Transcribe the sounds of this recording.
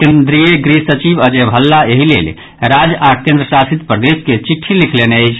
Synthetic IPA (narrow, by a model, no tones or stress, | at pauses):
kend̪ɾieɡɾisət͡ʃibəd͡ʒebʱəlːaeɦilḛl | ɾad͡ʒakẽnd̪ɾəsasit̪pɾəd̪esket͡ʃiʈʰːilikʰleneəjt͡ʃʰ